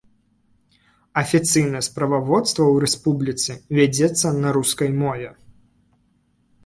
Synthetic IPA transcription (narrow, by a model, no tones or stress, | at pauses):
ɐfʲit̪sɨjnɐjɛspɾɐvavɔt̪st̪vɐwɾɛspublʲit̪sɨvʲad͡zʲɛt̪sːɐnɐɾuskɐjmɔvʲɛ